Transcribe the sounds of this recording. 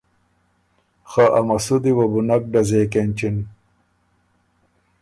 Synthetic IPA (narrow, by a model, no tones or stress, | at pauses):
xaʔɐmɐsud̪iwɐbunɐk̚ɖɐzeːkenʲt͡ɕin